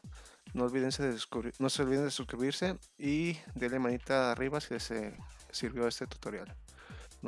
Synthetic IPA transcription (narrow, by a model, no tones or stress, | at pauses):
noːlβiðenseðeuno̞seolβiðend̪esuskɾiβiɾse̞ | id̪elemãnit̪aːrʔiβasilesesiɾβjo̞est̪e̞t̪u̥t̪o̞ɾja̰l | n